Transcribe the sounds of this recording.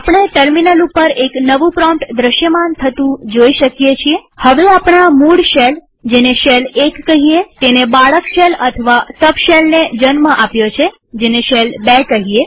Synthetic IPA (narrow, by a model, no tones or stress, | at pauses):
apɳ̃eʈəɾminəlupəɾeknəʋũpɾɔ̃mʈd̪ɾəʃjəmant̪ʰət̪ũd͡ʒoiʃəkjet͡ʃʰiehəʋeapɳamuɽʃel | d͡ʒeneʃelekːəɦiet̪enebaɭəkʃelət̪ʰəʋasəbʃelned͡ʒənməʔapjot͡ʃʰe | d͡ʒeneʃelbekəɦie